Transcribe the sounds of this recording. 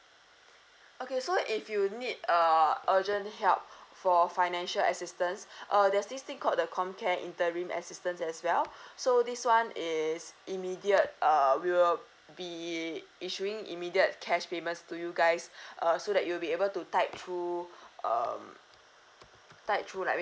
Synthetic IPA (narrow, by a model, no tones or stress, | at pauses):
ʔokesoʔifjunidəʔəd͡ʒə̃nthɛlp̚fɔfaɪnɛ̃nʃələ̰sistə̃nsʔʌdɛsdistĩŋkʰɔt̚dəkʰɔ̃mkʰɛ̃nʔḭ̃ntəɹĩmʔɛ̰sistə̃nsɛswɛlsodiswãnisʔimidiət̚ʔʌwiwɪl | bi | iʃuĩŋḭmidiət̚kʰɛʃpemə̃ntstujuɡaɪsʔʌsodɛt̚juwlbiebəltutaɪp̚tʰɹuʌ̰m | taɪp̚tʰɹula̰